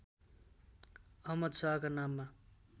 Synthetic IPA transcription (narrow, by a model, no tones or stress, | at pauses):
ʌɦmʌd̪saɦkanamːa